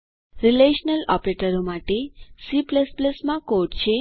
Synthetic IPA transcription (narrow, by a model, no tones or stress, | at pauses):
ɾileʃnəlɔ̰pɾeʈəɾomaʈesipləspləsmãkoʈt͡ʃʰe